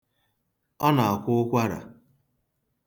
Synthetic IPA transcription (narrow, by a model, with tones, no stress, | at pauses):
ɔ˦na˨a˨kʷʊ˦kʷa˦ɾa̰˨